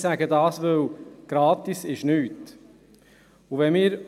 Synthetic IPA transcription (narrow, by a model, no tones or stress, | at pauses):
sæɡədɑːsʋɵwɡ̥ɾɑːt̪isɪʃnyːt | uʋɛmɪːɾ